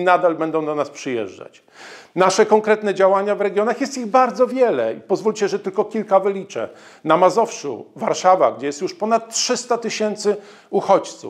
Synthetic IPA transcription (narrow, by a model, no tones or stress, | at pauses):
nad̪albɛnd̪ɔ̃w̃d̪ɔnaspʂɘjɛ̰ʐd͡ʐa̰t͡ɕ | naʂɛkɔŋkɾɛt̪nɛd͡ʑawaɲavɾɛɡʲjɔnaxjɛst̪iɣbaɾd̪zɔvʲjɛlɛ̰ipɔzvulʲt͡ɕɛʐɛt̪ɘlkɔkʲilkavɘlʲit͡ʂɛ̰ | namazɔfʂṵvaɾʂava̰ɡd͡ʑɛjɛst̪juʂpɔnat̪ːtːʂɘst̪at̪ɘɕɛnt̪sɘ | uxɔt͡ɕt̪sṵ